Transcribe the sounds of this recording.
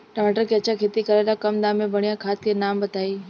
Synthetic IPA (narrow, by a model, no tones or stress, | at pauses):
ʈəmaʈəɾkʰeət͡ɕakʰeːt̪ikəɾalakəmd̪ãmẽbəɽ̃ijãkʰaːt̪̚kʰenaːmbət̪aːiː